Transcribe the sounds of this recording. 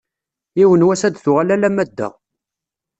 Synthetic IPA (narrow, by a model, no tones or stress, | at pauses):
iwənwæsæd̪θʊʁalælæmæd̪ːæ̰